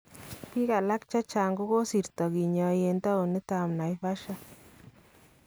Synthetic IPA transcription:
pi˦ka˨la˦kt͡ʃa˦t͡ʃa˨ŋɡo˦ko˦si˨ɾt̪ɔ˨ki˨ɲɔ˨je˨nt̪a˦u˨nɪ˦t̪a˨mna˨jfa˦ʃa˦

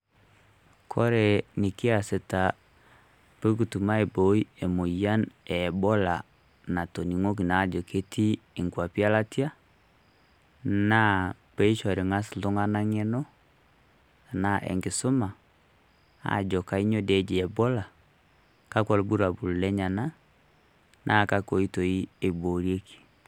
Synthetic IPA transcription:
kʰɔ˦ɾɛ˨nɪ˨ki˦a˨se˨ta˨ | pe˦k̬u˨tu˨ma˦e˨bo˨˦i˦e˨mo˨ja˦nɛ˨bɔ˦la˨ | na˨to˨ni˨ŋo˦k̬i˨na˦˨d͡ʒo˨kʰe˦tiː˦˨ŋɡwa˨pi˦a˦la˦ti˦a˦ | na˦pe˦i˦ʃɔ˨ɾe˨ŋa˦si˨lo˦ŋa˦na˦ŋɛ˦nɔ˦ | a˨na˦ʔḛ˨ŋɡe˨so˦ma˨ | a̰˨d͡ʒɔ˨ka˨i˦ɲo˦de˨˦d͡ʒi˨ɛ˨bɔ˦la˨ | ka˦kwa˨lbu˦ɾa˨bu˨llɛ˦ɲa˨na˦ | nʔa˦˨ka˦ko˨i˦to˨i˦e˨bo˨ɾje˦kʰi̥˨

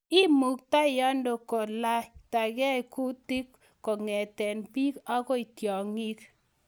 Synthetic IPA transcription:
i˦mu˨k̚ta˦ja˦ndo˨kɔ˨la˦ta˨ɡɛ˦˨ku˦ti˦kː | ɔ˨ŋɛ˨tɛ˨npi˦ka˦kɔ˦i˨tjɔ˨ŋi˦k

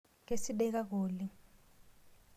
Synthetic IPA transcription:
ke˦si˦ɓɛ˦k̬a˦k̬oː˨li˦

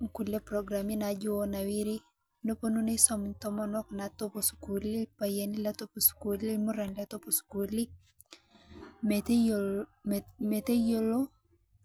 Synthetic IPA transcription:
ku˨le˦pɾɔ˨ɡɾa˨mi˦nad͡ʒʊ˦ɔ˦na˨wi˦ɾi˦ | no˦po˦nu˦ne˦sɔ˦mnt̪ɔ˦mɔ˦nɔ˦knat̪o˦po˨sku˨li˦pa˨je˨ni˦la˦t̪o˦po˨sku˨li˦mo˦ɾɛ˨nda˦t̪o˦po˨sku˨li˦ | met | me˨t̪e˦jo˦lo˦

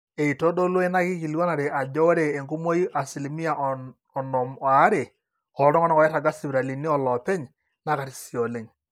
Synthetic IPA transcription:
e˨i˨to˦do˦lo˦e˦na˦ki˦ki˨lɔ˦na˨ɾe˨ʔa˨d͡ʒɔ˦ɾeː˨ŋku˦mo˦i˦ʔa˨si˨li˨mi˦a˨ʔ | ɔ˨nɔ˨ma˨˦ɾe˨ | ɔ˨˦ɾɔ˦ŋɔ˦nɔ˦kɔ˨jɛ˦ta˨ɡa˦si˨bɾa˨li˨ni˦ɔ˨lɔ˨pɛ˦ɲ | na˦ka˨ti˨si˨ɔ˨le˦ŋ

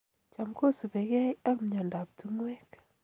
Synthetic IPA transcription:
t͡ʃa˨mko˦su˨be˨kɛ˦ja˦km˦ɲa˨nda˨p̚tu˦ŋwɛ˦k

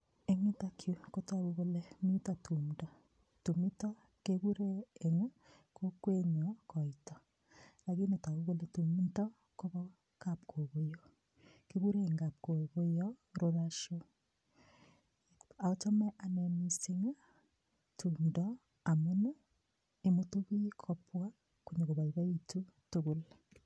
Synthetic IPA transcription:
e˦ŋi˦ta˦kʰjo˦ko˦ta˦ɣu˦ɣo˦le˦mi˦tɔtʰu˨mdɔ˨ | tu˨mi˦tɔ˦ | keβu˦ɾeː˦˨ŋ˦ | ko˦kwe˦ɲɔ˨kɔ˨i˨tɔ˨ | la˨ɣi˦ne˨ta˨ɣu˦ɣo˦le˨tu˨mi˦tɔ˦ | ko˦βɔ˦ | ka˨p̚kʰo˨ɣo˦jo˨ | keβu˦ɾeŋɡa˨p̚ko˨ɣo˦jɔɾoɾaʃo | a˨o˦t͡ʃo˦mɛ˦ʔa˨nemi˨se˦ŋa˦ | tu˨ndɔ | a˨mo˦no˦ | e˨motu˦ɣu˦i˦kʰopwa˦ | kuɲe˨ɣoβa˨iβa˦itu˦toɣo˨l

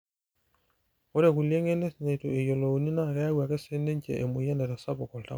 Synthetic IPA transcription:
ɔ˦ɾe˨ku˨lje˦ŋe˦ne˦sne˨tu˨e˨jo˨lo˨u˨ni˦na˦˨kɛ˦a˦wa˨kɛ˦se˦ne˦ɲt͡ʃḛ˨ʔe˨mu˨ja˦ndɛ˨ɾa˨sa˦bɔ˨kɔ˨lta̰˦

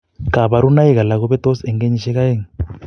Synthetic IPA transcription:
ka˨βa˨ɾu˦na˦jɛ˦ka˨la˨kɔ˦βɛ˦t̪ɔ˦sɛ˨ŋɡe˦ɲi˨ʃɛ˦ka˦jɛ˦˨ŋ

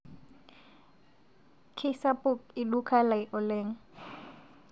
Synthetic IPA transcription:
kʰɪsapʼʊ˦kɪdukʰa˦la˨ɪʔɔ˨leːŋ̩˦

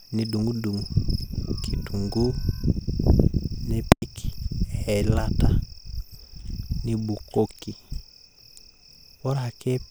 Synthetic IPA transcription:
ni˨du˨ŋu˦du˨ŋu˨kʰi˨tu˨ŋɡu˦ | ne˦pɛ˦kɛ˨la˦ta˨ | ni˦bu˨ko˦ki˨ | wɔ˦ɾa˨kɛ˦

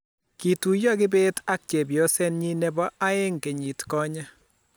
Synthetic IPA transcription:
ki˨tu˨jɔ˦kɪ˦be˦ta˦k̚t͡ʃe˨bjɔ˦sɛ˦nɲi˦nɛ˨bɔ˦ʔa˦ɪ˦ŋke˨ɲi˨tkɔ˦ɲa˦

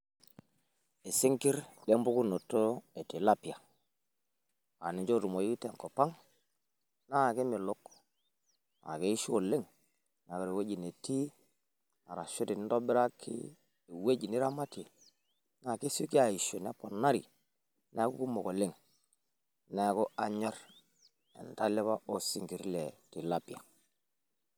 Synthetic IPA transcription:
e˨sɪ˦ŋki˦ɾde˦mbu˦ku˦no˨tːo˦e˨ti˨la˦pi˨a˨ | a˨ni˨ɲd͡ʒo˦ɾu˨mo˨ji˦te˨ŋkɔ˨pa˦ŋ | na˦˨ke˦mɪ˨lʊ˦k | a̰˨ke˦i˦ʃu˦o˨lɪ˦ŋ | na˨ka˨ɾe˨we˦d͡ʒi˨ne˨ti˦ | a˨ɾa˨ʃu˦ti˨ni˦ndɔ˦bɪ˦ɾa˦kʰːḭ˦ | e˨we˦d͡ʒi˨nɪ˦ɾa˦ma˦ti˨ | na˦˨ke˦su˦ki˦a˨i˨ʃo˨n˦a˦pɔ˨na˦ɾi˨ | nɛ˦ku˦ku˦mo˨ko˨le˦ŋ | nɛ˨kɔ˦a˨ɲɔ˦ɾ | ɛ̰˨nta˦lɪ˦βa˦ʔo˦si˦ŋɡi˨ɾlɛ˨ti˨la˨pi˨a˨

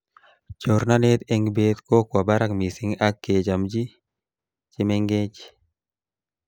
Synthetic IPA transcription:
t͡ʃo˨ɾna˦ne˦t̪ɛ˦ŋbet̪ko˦kwa˨ba˦ɾa˦kmi˨sɪ˦ŋa˦kːe˨d͡ʒa˨md͡ʒi˦ | t͡ʃɪ˦mɛ˦ŋɡe˦t͡ʃ

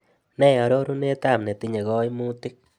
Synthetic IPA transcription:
ne˦ja˨ɾo˦ɾu˦ne˦t̪a˦˨mne˨t̪i˧ɲa˨ɣɔ˦jmu˦t̪i˦k̚

